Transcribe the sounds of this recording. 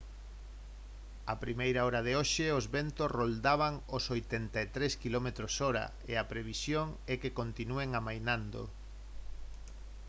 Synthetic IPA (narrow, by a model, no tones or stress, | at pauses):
apɾimejɾaɔɾað̞eoʃeozβɛnt̪osrold̪aβaŋosojt̪ent̪aet̪ɾeskilɔmet̪ɾosɔɾa̰ | ḛapɾeβ̞isjoŋɛkekont̪inueŋamajnãnd̪o̰